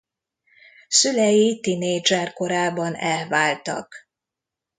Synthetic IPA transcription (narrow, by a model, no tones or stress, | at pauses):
sylɛjit̪ineːd͡ʒɛrko̞ɾaːbɒnɛlvaːlt̪ɒ̰k